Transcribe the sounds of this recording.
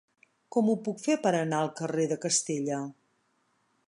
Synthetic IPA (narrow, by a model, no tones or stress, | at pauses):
kɔmupukfepəɾənaəlˠkəreðəkəst̪eʎə